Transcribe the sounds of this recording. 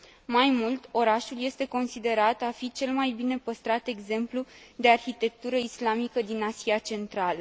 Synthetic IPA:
majmult̪o̞ɾaʃulje̞st̪e̞ko̞nsid̪e̞ɾat̪afit͡ʃe̞lmajbine̞pəst̪ɾat̪e̞ɡze̞mplud̪e̞arçit̪e̞k̚t̪uɾəislamikəd̪inasiat͡ʃe̞nt̪ɾalə

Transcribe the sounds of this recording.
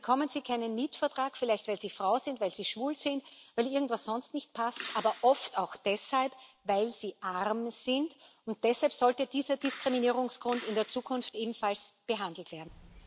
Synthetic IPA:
bəkʰɔmənz̥iːkʰaɪnənmiːtfɛɐtʁ̥aːkfɪlæɪçtvaɪlz̥iːfʁaʊzɪntvaɪlz̥iːʃv̥uːlz̥ɪntvaɪlʔɪɐɡŋ̩tv̥asz̥ɔnstnɪçt̚pʰastʔaːbɐʔɔftaʊxd̥ɛshalp | vaɪlz̥iːʔaʁmz̥ɪnd | ʊnt̚d̥ɛshalpsɔltəd̥iːzɐdɪskʁ̥iminiːʁ̞ʊŋsɡ̥ʁʊndɪndeːɐt͡suːkʰʊnftʔeːbm̩falsb̥əɦandl̩tv̥eːɐdn̩

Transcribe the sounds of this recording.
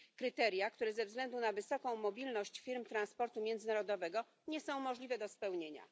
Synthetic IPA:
kɾɘt̪ɛɾjakt̪uɾɛzɛvzɡlɛnd̪unavɘsɔkɔ̃w̃mɔbʲilnɔɕt͡ɕfʲiɾmt̪ɾanspɔɾt̪umʲjɛnd̪zɘnaɾɔd̪ɔvɛɡɔ | ɲɛsɔ̃w̃mɔʐlʲivɛd̪ɔspɛwɲeɲa̰

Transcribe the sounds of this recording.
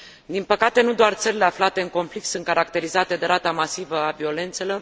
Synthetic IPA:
d̪inpəkat̪e̞nud̪oart̪səɾile̞aflat̪e̞ɨŋko̞nflik̚t̪sunt̪kaɾak̚t̪e̞ɾizat̪e̞d̪e̞ɾat̪amasivəavio̞le̞nt̪se̞lo̞r

